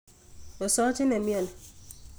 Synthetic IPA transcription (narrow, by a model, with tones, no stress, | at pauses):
o˨sɔ˦t͡ʃi˦ne˨mjɔ˦˨n˨